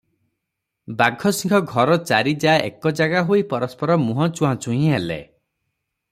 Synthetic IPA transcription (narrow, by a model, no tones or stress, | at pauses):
baɡʱɔsiŋkʰɔɡʱɔɾɔt͡ʃaɾid͡ʒaḛkɔd͡ʒaɡaɦoipɔɾɔspɔɾɔmuɦɔ̃t͡ʃuɦãt͡ʃuɦĩelḛ